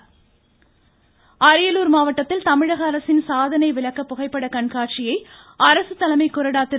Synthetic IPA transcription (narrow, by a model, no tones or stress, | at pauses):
ɐɾɐɪjɐluːɾmaːʋɐʈːɐt̪ːɪlt̪ɐmɪɻɐɣɐːɾɐsɪnsaːðɐnɐɪʋɪɭɐkːɐpːʊɣɐɪpːɐɽɐkɐɳkaːʈ̚t͡ʃɪjɐɪ | ɐɾɐsɯt̪ːɐlɐmɐɪkːʊɾɐɽaːt̪ːɪ